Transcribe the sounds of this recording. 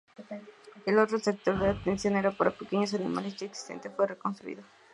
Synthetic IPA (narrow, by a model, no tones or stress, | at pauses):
elot̪ɾosek̚t̪o̞ɾðeat̪ensjo̞neɾapaɾapekeɲos̬anima̰lesd͡ʒaeksi̥st̪e̞̰nt̪esfwerekonst̪ɾuḭðo